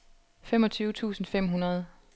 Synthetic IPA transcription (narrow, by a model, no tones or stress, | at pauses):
femɒ̽t͡sʰyːʊt͡sʰṵːsn̩fem̰ɦunɐð̞ˠ